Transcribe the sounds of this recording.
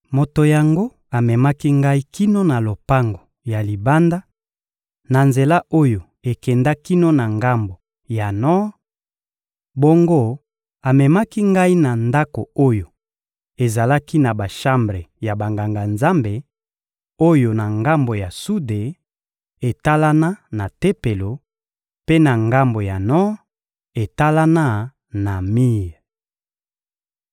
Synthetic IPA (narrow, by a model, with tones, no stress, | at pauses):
mo˨to˨ja˨ŋɡo˦ | a˨mɛ˨ma˦ki˦ŋɡa˦i˦ki˦no˦na˨lo˨pa˦ŋɡo˨ | ja˨li˨ba˦nda˦ | na˨nze˨la˦ʔo˦jo˨ | e˨kɛ˨nda˦ki˦no˦na˨ŋɡa˦mbo˨ | ja˨nɔ˦ | bo˦ŋɡo˦ | a˨mɛ˨ma˦ki˦ŋɡa˦i˦na˨nda˦ko˨o˦jo˨ | e˨za˨la˦ki˦na˨ba˨ʃa˦mbʁe˨ja˨ba˨ŋɡa˨ŋɡa˨nza˦mbe˨ | o˦jo˨na˨ŋɡa˦mbo˨ja˨su˦de˨ | e˨ta˦la˦na˦na˨te˦pe˨lo˨ | pe˦na˨ŋɡa˦mbo˨ja˨nɔ˦ | e˨ta˦la˦na˦ | na˨mi˦˨